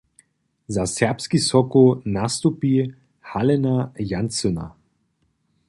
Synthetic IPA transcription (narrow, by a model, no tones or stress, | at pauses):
zasɛʁpskisɔkunast̪upi | halɛnajansɔna̰